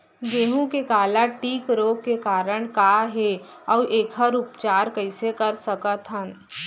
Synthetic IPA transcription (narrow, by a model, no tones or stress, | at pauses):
ɡeːɦũkekaːlaʈiːkɾoːɡkekaːɾəɽ̃kaːɦe | ɔːʔeːkʰəɾʊpt͡ʃaːɾkəɪsekɐɾsəkət̪ʰɦən